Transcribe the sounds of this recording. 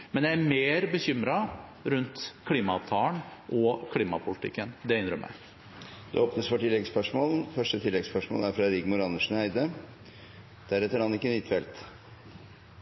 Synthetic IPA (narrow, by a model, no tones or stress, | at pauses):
mɛnjææmeːɾbəçʏmɾɑɾʉnt̪kʰliːmɑɑt̪ʰɑːləɳʔɔkʰliːmɑpʰʊlɪt̪ʰɪ̰kːənd̪ɛɪnd̪ɾœ̰mːə̰ | d̪̥ɛ̰oːpnəsfɔʈʰɪlːɛɡspœʂmoːln̩fœʂʈət̪ʰɪlːɛɡspœʂmo̰ːlæɾfɾɑɾɪɡmʊɾɑnəʂn̩æɪd̪ə | d̪̥æɾɛt̪ːəɾɑnɪkːənɪt̪fɛlt̪